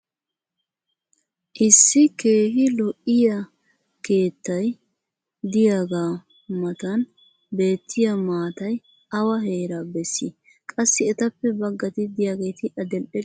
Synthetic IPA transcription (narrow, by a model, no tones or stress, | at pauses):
ʔɪsːɪke̞ːhɪlɔʔɪjɐ | ke̞ːt̪ːɐj | d̪ɪjaːɡaː | mɐt̪ɐn | be̞ːt̪ʰːɪjɐmaːt̪ɐj | ɐwɐɦeːɾaːbɛsːi | kʼɐsːɪɛt̪ɐpːɛbɐɡːɐt̪ɪd̪ɪjaːɡe̞ːt̪ɪʔɐd̪ɛlʔɛ